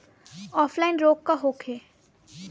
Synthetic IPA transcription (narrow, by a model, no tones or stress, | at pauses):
ɔːflaɪnɾoːkːaɦoːkʰeː